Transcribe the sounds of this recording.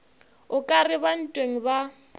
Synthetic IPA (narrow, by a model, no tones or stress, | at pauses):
ʊkʼarɪban̩tʼweŋ̩ba